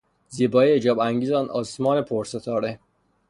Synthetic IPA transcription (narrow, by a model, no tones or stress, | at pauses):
ziːbɒːied͡ʒɒːbæŋɡiːzɑnʔɒ̰ːsmɒːnepʰoɾset̪ʰɒːɾe